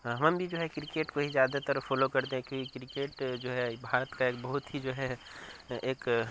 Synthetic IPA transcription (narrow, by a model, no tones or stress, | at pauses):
ɦɐməmbʱid͡ʒoːɦɛkɾɪkeːʈkoɦizjaːd̪at̪əɾfʰɔːlokɐɾt̪eɦɛ̃kjõːkikɾikeːʈd͡ʒoːɦɛbʱaːɾət̪kaeːkbɐɦʊt̪ɦid͡ʒoːɦɛ | eːk